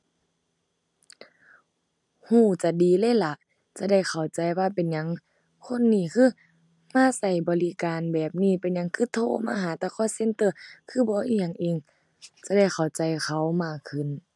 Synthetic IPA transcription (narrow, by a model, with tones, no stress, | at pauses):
huː˧˩t͡ɕa˧˦diː˨lɤː˧˥˨la˧˦ʔ | t͡ɕa˧˦da˧˩jkʰa˨˩wt͡ɕa˨jwaː˧pe˨nɲa˧˦ŋ | kʰo˧˥˨nːiː˧˩kʰɯː˧˩˨ | maː˧˥˨sa˧˩jbɔː˨˦li˧kaː˨nbɛː˨˩p̚niː˧˩˨pe˨nɲa˧˥˦ŋkʰɯː˧˩t̪ʰoː˧˥˨ma̰ː˧˨ɦaː˨˦t̪aː˧˩kʰɔː˧˥˨se˧˥nt̪ɤ˧˨kʰɯː˧˥˨bɔː˧˦ʔiː˧ɲa˧˨ŋʔiː˧ŋ | t͡ɕa˧˦da˧˩jxʰa˨˩wt͡ɕa˨jkʰa˧˩wmaː˧˩kkʰːɯ˧˩˨n